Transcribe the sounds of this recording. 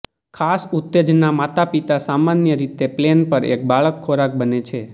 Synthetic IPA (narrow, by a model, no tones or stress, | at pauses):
kʰasʊt̪ːed͡ʒnamat̪apit̪asamanjəɾit̪eplenpəɾḛk̚baɭəkʰːoɾak̚bənet͡ʃʰe